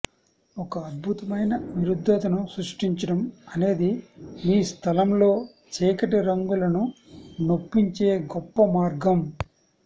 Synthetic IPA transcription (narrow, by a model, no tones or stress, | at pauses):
ɔkɐːd̪̚bʱut̪ɐmɐjnɐʋiɾud̪ʱːɐt̪ɐnusɾuʂʈiɲt͡ʃɐɽɐmɐne̞ːd̪imiːst̪ʰɐlɐmlo̞ː | t͡ʃɛːkɐʈiɾɐŋɡulɐnunopːiɲt͡ʃe̞ːɡɔpːɐmaːɾɡɐm